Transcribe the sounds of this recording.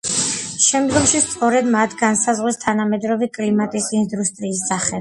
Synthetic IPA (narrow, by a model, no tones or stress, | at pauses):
ʃɛmd̪ɡɔmʃist̪sʼɔɾɛd̪mat̪ʰɡansazʁwist̪ʰanamɛd̪ɾɔvikʼlimat̪ʼisind̪ust̪ʼɾiːsaχɛ